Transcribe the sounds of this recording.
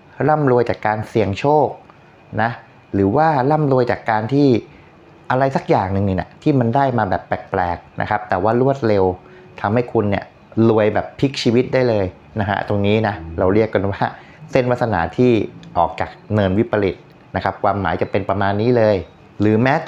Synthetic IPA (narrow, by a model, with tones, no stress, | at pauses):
ɾa˥˩mɾu˧əjt͡ɕaː˨˩kːaː˧nsi˨˩əŋt͡ɕʰoː˥˩k̚ | na˦˥ | ɾɯː˩˦waː˥˩ɾa˥˩mlu˧əjt͡ɕaː˨˩kːaː˧nt̪ʰiː˥˩ | ʔa˧ɾa˧jsa˨˩k̚jaː˨˩ŋnɯ˨ŋnɯ˨˩ŋʔa̰˨˩t̪ʰiː˥˩ma˧ndaː˥˩jmaː˧bɛː˨˩pːɛː˨˩k̚plɛː˨˩k̚nʔa̰˦˥kʰa˦˥p̚t̪ɛː˨˩waː˥˩ɾu˥˩ət̪̚le˧w | t̪ʰa˧mha˥˩jkʰu˧nːi˦˥˩ɐ | lu˧əjbɛː˨˩pʰːi˦˥k̚t͡ɕʰiː˧wi˦˥t̪̚daː˥˩jlɤː˧j | na˦˥kʰa̰˦˥t̪o˧ŋniː˦˥na˦˥ɾa˧wɾi˥˩əkːa˧nwaː˥˩ | se˥˩nwa˦˥t̪sʰa˧naː˩˦t̪ʰiː˥˩ʔɔː˨˩k̚t͡ɕaː˨˩k̚nɤː˧nwi˦˥pʰːa˧li˨˩t̪̚ | na˦˥kʰa˦˥p̚kʰwaː˧mːaː˩˦jt͡ɕa˨˩pe˧npɾa˧maː˧nːiː˦˥lɤː˧j | ɾɯː˩˦mɛː˦˥